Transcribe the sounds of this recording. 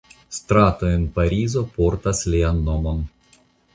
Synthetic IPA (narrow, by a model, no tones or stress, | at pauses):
st̪ɾatoenpaɾizo̞po̞ɾtaslʲianːo̞mo̞n